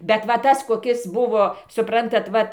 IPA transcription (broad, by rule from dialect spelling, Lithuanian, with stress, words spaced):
bʲɛt ˈʋɐ ˈtɐs koːˈkʲɪs ˈbʊʋoː sʊˈprɐntɐt ˈʋɐt